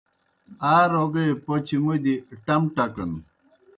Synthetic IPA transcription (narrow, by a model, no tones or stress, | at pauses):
aːɾoɡɐjpot͡ɕʰimud̪iʈɐmʈɐkɐn